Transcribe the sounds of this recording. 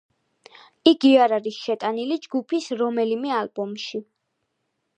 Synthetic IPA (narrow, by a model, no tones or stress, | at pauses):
iɡiaɾaɾisʃɛt̪ʼanilid͡ʒɡupʰisɾɔmɛlimɛalbɔmʃi